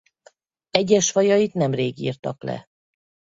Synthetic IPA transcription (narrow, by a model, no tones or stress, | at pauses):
ɛɟːɛʃfɒjɒjit̪nɛmreːɡḭːrt̪ɒklɛ̰